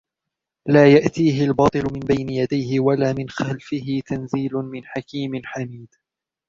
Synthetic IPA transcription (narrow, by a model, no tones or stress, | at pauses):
laːjaʔt̪iːɦɪlbɑːt̪ˤɨlʊmɪnbajnɪjad̪ajɦɪwalaːmɪnxalfɪɦɪt̪anziːlʊmɪnħakiːmɪnħamiːd̪̥